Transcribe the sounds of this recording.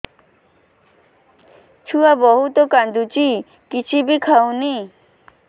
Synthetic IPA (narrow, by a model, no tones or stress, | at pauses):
t͡ʃʰuabɔɦut̪okand̪ut͡ʃi | kit͡ʃʰibikʰaw̃ni